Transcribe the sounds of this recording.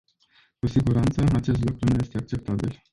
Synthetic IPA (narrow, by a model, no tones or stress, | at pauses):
kusiɡuɾant̪səat͡ʃe̞s̬t̪lukɾunuje̞st̪e̞ak̚t͡ʃe̞p̚t̪abḭl